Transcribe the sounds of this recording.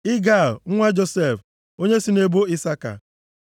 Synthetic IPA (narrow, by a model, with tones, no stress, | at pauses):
ɪ˦ɡa˦˨lŋ̩˦ŋʷa˦d͡ʒo˦se˦˨f | o˦ɲe˦si˨ne˦bo˦i˦sa˦ka̰˨